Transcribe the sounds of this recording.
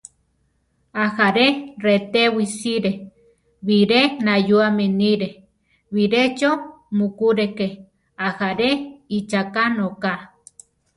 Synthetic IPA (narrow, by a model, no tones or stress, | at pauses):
ahaɾeret̪ewisiɾe | βiɾenajuameniɾe | βiɾet͡ʃo | mukuɾeke | ahaɾeit͡ʃakanoka